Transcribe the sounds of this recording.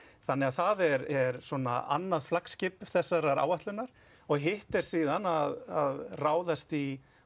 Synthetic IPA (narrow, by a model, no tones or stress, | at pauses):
θanːɛɣaðθaðɛɾɛɾsɔna̰a̰nːaðflakscɪpʏɾ̥θɛsːaɾaɾa̰ːwvaht̪lʏnːaɾ̥ | ɔɣɦɪht̪ɛɾ̥siːðanaðaðraːwðast̪i